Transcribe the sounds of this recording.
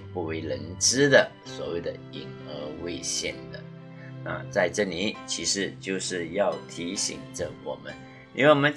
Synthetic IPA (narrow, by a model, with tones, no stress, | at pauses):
pu˥˩we˧˥˩ɪlə˧˥nʈ͡ʂɻ̩˥d̪ə˨ | swɔ̰˨˩we˥˩ɪd̪ə˦i˨˩ŋə˧˥we˥˧ɪɕjɛ˥˩nd̪ə̰˩ | na̰˥˧t͡sa˥˧ɪʈ͡ʂɤ˥˩li˧˥t͡ɕʰi˧˥ʂɻ̩˧˥t͡ɕjo˥˧ʊʂɻ̩˥˧jɑ˥˩ʊt̪ʰi˧˥ɕḭ˨˩ŋʈ͡ʂə˧wɔ̰˨˩mə˦n˧ | e˥˩wɔ˨mə˦n